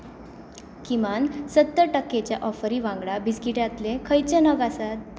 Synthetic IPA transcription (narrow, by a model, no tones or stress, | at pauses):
kimansət̪ːəʈəkːet͡ɕjaʔɔfəɾiʋãŋɡɭabiskiʈjat̪lekʰəjt͡ɕənəɡasat̪̚